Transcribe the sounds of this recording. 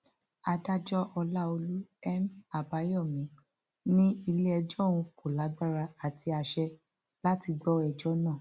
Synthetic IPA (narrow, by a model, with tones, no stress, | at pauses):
a˧da˦d͡ʒɔ˦ʔɔ˧la˦o˧lu˦ɛ˦ma˨ba˨˦jɔ˦˨mĩ˨˦ | nĩ˦i˧le˦ɛ˧d͡ʒɔ˦˨w̃ũ˧ko˨la˨˦ɡ͡ba˦˨ɾa˧a˨ti˧a˧ʃɛ˧ | la˦ti˧ɡ͡bɔ˦ɛ˨d͡ʒɔ˦nã˦˨